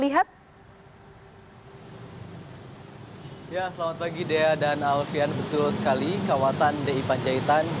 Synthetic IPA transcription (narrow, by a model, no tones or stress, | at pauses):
liɦat̪̚ | jasəlamat̪̚paɡideadanalfianbət̪ʊlsə̥kalikawasandeipaɲd͡ʒait̪an